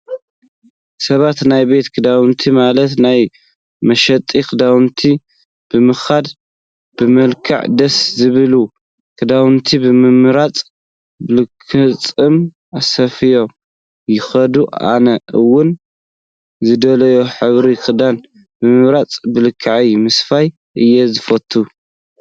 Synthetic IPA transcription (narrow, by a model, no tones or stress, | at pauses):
sɐβat̪najbe̞t̪kʰɨd̪awɨnt̪ʰimalɐt̪naj | mɐʃɐt̪ʼikʰɨd̪awɨnt̪ʰi | b̥ɨmɨxad̪ | b̥ɨmɐlkʰɨ̰ʕd̪ɐszɨβɨlu | kʰɨd̪awɨnt̪ʰibɨmɨmɨɾat͡sʼ | bɨlɨkʰːɨt͡sʼɨm | asɐfɨjo̞ | jɪxɐd̪ua̰nɐʔɨwːʊn | zɨd̪ɐlɐjoħɨβɾikʰʼɨd̪an | bɨmɨβɾat͡sʼbɨlɨkʰːaʕijmɨsfaj | ʔɨjːezɨfɐt̪ʰːu